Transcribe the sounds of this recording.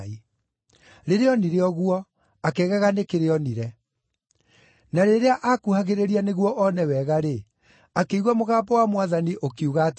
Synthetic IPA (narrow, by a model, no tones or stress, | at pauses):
i | ɾeɾeɔniɾeɔɣuɔ | akɛɣaɣanekeɾeɔniɾɛ | naɾeɾeaʔakuhaɣeɾeɾianeɣwɔʔɔnɛwɛɣaɾe | akeiɣwamoɣaːpɔwamwaðaniʔokiuɣat